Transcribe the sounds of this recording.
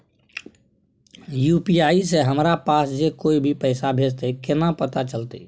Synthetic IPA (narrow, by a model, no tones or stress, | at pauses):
jupiaiseɦəmɾapasd͡ʒekoibʱipəɪsabʱed͡ʒt̪ekenapət̪at͡ʃəlt̪ḛ